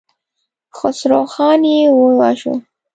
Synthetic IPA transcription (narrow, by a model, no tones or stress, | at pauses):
xʊsɾoxɑnjewəwaʃo̰